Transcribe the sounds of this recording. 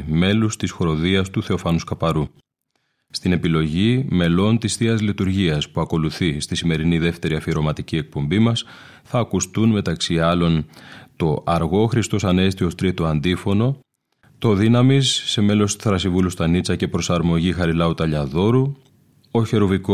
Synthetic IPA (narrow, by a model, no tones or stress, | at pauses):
me̞lust̪isxɾo̞ðiɐst̪uθe̞o̞fɐnuskɐpɐɾu | st̪ine̞pilo̞ʝime̞lo̞nt̪isθiɐzlit̪uɾʝiɐspuɐko̞luθist̪isime̞ɾiniðe̞ft̪e̞ɾiɐfiɾo̞mɐt̪icie̞k̚po̞mbimɐs | θɐːkust̪unme̞t̪ɐksiɐlo̞nt̪o̞ʔɐɾɣo̞xɾist̪o̞sɐne̞st̪io̞st̪ɾit̪o̞ɐnd̪ifo̞no̞ | t̪o̞ðinɐmisːe̞me̞lo̞st̪θɾɐsivulust̪ɐnit͡sɐce̞pɾo̞sɐɾmo̞ʝixɐɾilɐut̪ɐʎɐðo̞ɾu | o̞çe̞ɾoviko